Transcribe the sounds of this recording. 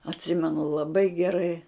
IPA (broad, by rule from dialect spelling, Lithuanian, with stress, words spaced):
ɐtʲˈsʲɪmʲɛnʊ lˠɐˈbɐɪ ɡʲɛˈrɐɪ